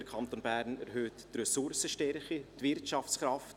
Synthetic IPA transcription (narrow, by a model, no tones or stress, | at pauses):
əɾkʰɑnt̪onbæɾnɛɾɦøːtːrœsʊɾsəʃtɛɾχitvɪrtʃɑfsχɾɑft